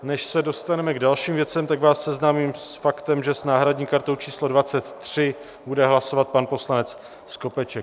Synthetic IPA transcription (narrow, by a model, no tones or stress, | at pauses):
nɛʃsɛdo̞st̪anɛmɛɡdalʃiːmvjɛt͡sɛmt̪aɡvaːsːɛznaːmiːmssfakt̪ɛmʒɛsnaːɦɾadɲiːkaɾt̪owt͡ʃiːslo̞dvat͡sɛt̪ːr̝̥ɪ | budɛɦlasovat̪̚panpo̞slanɛt͡s | sko̞pɛt͡ʃɛk